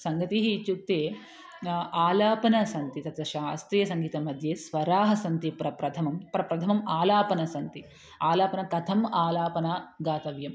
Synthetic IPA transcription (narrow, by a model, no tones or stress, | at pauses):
sɐŋɡɐt̪iɦit͡ʃuk̚t̪eː | aːlaːpɐnɐsɐnt̪it̪ɐt̪ʋɐʃaːst̪ɾijɐsɐŋɡiːt̪ɐmɐd̪ʱjeːsʋɐɾaːɦɐsɐnt̪ipɾɐpɾɐt̪ʰɐmɐmpɾɐpɾɐt̪ʰɐmɐmaːlaːpɐnɐsɐnt̪i | aːlaːpɐnɐkɐt̪ʰɐmaːlaːpɐnaːɡaːt̪ɐʋjɐm